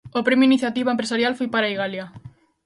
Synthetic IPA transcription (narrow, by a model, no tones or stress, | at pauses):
opɾemoiniθjat̪iβaempɾesaɾjalfojpaɾaiɣalja